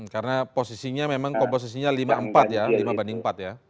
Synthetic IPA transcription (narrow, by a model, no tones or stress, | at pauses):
m̩kaɾənaposisiɲamemaŋkɔmpos̬isiɲalimaəmpat̪̚jalimabandɪŋmpat̪̚ja